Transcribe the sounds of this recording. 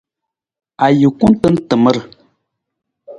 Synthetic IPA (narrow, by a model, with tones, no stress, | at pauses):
a˨jə˨ku˦ntə˦n̩˦tə˨mə˦ɾ